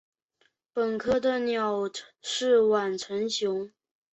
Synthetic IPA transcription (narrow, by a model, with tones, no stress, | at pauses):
pə˨˩nkʰɤ˥d̪ə˨njɑ˨˩ʊʂɻ̩˥˩wa˨˩nʈ͡ʂʰə˧˥nɕjʊ˧˥ŋ